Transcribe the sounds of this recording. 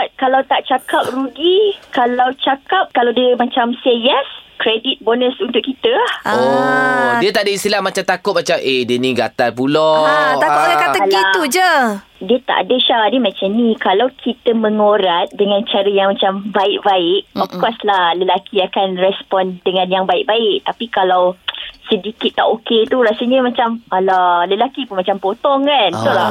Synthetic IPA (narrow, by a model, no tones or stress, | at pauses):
akalawt̪aʔt͡ʃakap̚ruɡikalawt͡ʃakap̚kalawdiəmat͡ʃamsejɛskɾɛdit̪̚bonə̃sunt̪ʊʔkit̪əao | diət̪aʔadəist̪ilahmat͡ʃamt̪akʊt̪̚mat͡ʃamʔediəniɡat̪apulot̪aʊt̪̚dkat̪əɡiaud͡ʒə | diət̪a̰ʔa̰dəʃaadəmãt͡ʃamnĩkalawkʰit̪əmə̃ŋoɾat̪̚dəŋãnt͡ʃaɾəjaŋmat͡ʃambaɪʔ̚baɪʔ̚ɔfkkɔslahləlakʰiakanrɛspɔndəŋãnjaŋbaɪʔ̚baɪʔ̚t̪apikalawsədikit̪ːa̰ʔoket̪uɾasəɲəmat͡ʃamalaləlakipunmat͡ʃampot̪ɔŋkant̪ula